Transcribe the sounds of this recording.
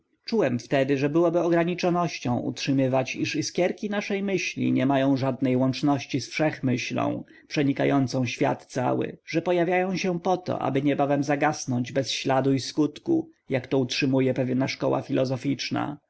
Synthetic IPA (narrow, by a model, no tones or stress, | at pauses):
t͡ʂuwɛmft̪ɛd̪ɘʐɛbɘwɔbɘɔɡɾaɲit͡ʂɔnɔɕt͡ɕɔ̃w̃ʔṵtʂɘmɘvat͡ɕiʂiskʲjɛɾkʲinaʂɛjmɘɕlʲḭɲɛmajɔ̃w̃ʐad̪̚nɛjwɔnt͡ʂnɔɕt͡ɕisfʂɛxmɘɕlɔ̰̃w̃ | pʂɛɲikajɔnt̪sɔ̃w̃ɕfʲja̰t̪t̪sa̰wɘ̰ʐ̥ɛpɔjavʲjajɔ̃w̃ɕɛpɔt̪ɔ̰ʔa̰bɘɲɛbavɛmzaɡasnɔɲd͡ʑbɛsɕlad̪uiskut̪kṵjakt̪ɔutʂɘmujɛpɛvʲjɛnaʂkɔ̰wa̰fʲilɔzɔfʲit͡ʂna̰